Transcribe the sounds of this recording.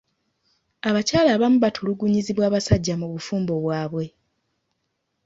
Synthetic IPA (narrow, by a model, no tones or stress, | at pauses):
aβacaːlaːβamuβatʰuluɡuɲiziβwaːβasaɟːamuβufuːmbo̞βwaːβwe̞